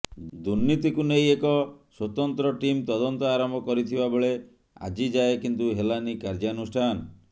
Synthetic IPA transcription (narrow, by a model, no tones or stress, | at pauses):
d̪uɾnit̪ikunejekɔswot̪ɔnt̪ɾɔʈimt̪ɔd̪ɔnt̪ɔaɾɔmbʱɔkɔɾit̪ʰibabeɭe | a̰d͡ʒid͡ʒaekint̪uɦelanikaɾd͡ʒanusʈʰanɔ